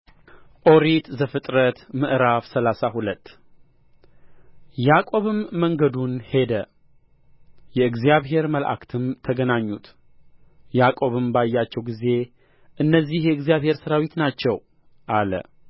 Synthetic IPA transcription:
ʔo̞ɾit̪zəfɨt̪ʼɾət̪mɨʔɾafsəlasahulət̪ː | jakʼo̞βɨmːəŋɡəd̪unhe̞d̪ə | jɛɨɡzijaβhe̞ɾməlʔa̰kt̪ʰɨmt̪ʰəɡənaɲːut̪ | jakʼo̞βɨmbajːat͡ʃːɛwɡize̞ | ʔɨnːəzːihjɛɨɡzjaβhe̞ɾsəɾawit̪nat͡ʃːɛw | ʔalə̰

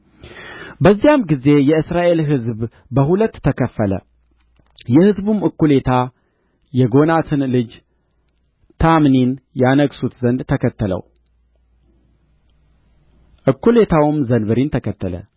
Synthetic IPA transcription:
bəzːijamɡize̞jɛɨsɾaʔe̞lɦɨzb | bəɦulət̪ʰːəkʰəfːələ̰ | jɛhɨzbumʔɨkːule̞t̪ʰa | jɛɡo̞nat̪ʰɨnlɨd͡ʒ | t̪ʰamninjanəɡsut̪zənd̪t̪ʰəkʰət̪ʰːələ̰w | ʔɨkːule̞t̪ʰawɨmzənbɨɾint̪ʰəkʰət̪ːələ̰

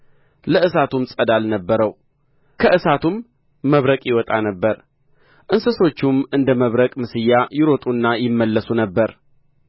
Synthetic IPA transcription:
ləɨsat̪umsʼəd̪alnəbːəɾəw | kʰəʔɨsat̪ʰumː | əβɾəkʼjɪwɔt̪ʼa̰nəbːəɾ | ʔɨnsɨso̞t͡ʃːumɨnd̪əməβɾəkʼmɨsɨjːajɪɾot̪ʼunːajɪmːəlːəsunəbːəɾ

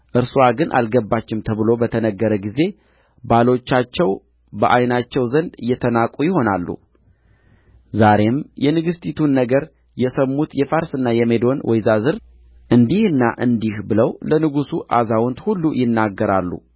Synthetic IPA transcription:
ʔɨɾsuaɡɨnʔa̰lɡəbːat͡ʃːɪmt̪ʰəβɨlo̞bət̪ʰənəɡːəɾəɡize̞ | balo̞t͡ʃːat͡ʃːɛw | bəʔajnat͡ʃːɛwzənd̪jɛt̪ʰənakʼujɪho̞nalːṵ | zaɾe̞mjɛnɨɡɨst̪ʰʼit̪ʰunːəɡəɾ | jɛsəmːut̪jɛfaɾsɨnːajɛmed̪o̞nwʔɔjzazɨɾ | ʔɨnd̪ihɨnːa̰ʔɨnd̪ihbɨləwlənɨɡusuʔazawɔnt̪hulːujɪnːaɡːəɾalːṵ

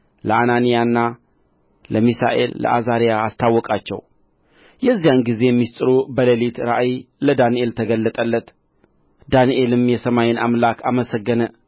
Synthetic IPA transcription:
ləananijanːa | ləmisa̰ʔe̞̰llə̰ʔazaɾijaːst̪ʰawːɔkʼat͡ʃːɛ̰w | jɛzːijanɡize̞jɛmːist̪ʼɨɾubələlit̪ɾaʔiləd̪anie̞lt̪ʰəɡəlːət̪ʼəlːət̪ | d̪aniʔe̞lɨmjɛsəmajenamlakʰaməsəɡːənə

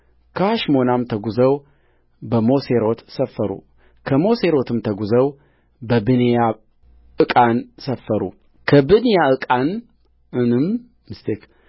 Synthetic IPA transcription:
kʰəhaʃmonamt̪ʰəɡuzəw | bəmo̞seɾo̞t̪səfːəɾṵ | kʰəmo̞seɾo̞t̪ʰɨmt̪ʰəɡuzəw | bəbɨneja | ʔɨkʼansəfːəɾṵ | kʰəbɨnijaɨkʼan | ɨnɨm | mɨst̪ʰek

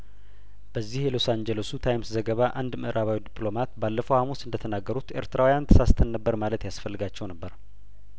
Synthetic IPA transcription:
b̥əzːihelo̞sand͡ʒelesut̪ʰajmszəɡəβaʔand̪mɨʔɾʔaβawid̪iplo̞mat̪balːəfəwhamusɨnd̪ət̪ʰənaɡːəɾut̪e̞̰ɾt̪ɾawijant̪ʰə̥sast̪ʰənːəbːəɾmalət̪jasfəlːɨɡat͡ʃːɛwnəbːəɾ

